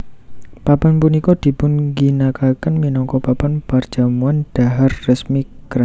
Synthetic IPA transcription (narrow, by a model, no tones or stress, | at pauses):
papanpunikɔd̪̥i̤pʊnɡinakakənminɔŋkɔpapanpar̥d͡ʒ̥a̤muand̥aɦarːəsmikɾa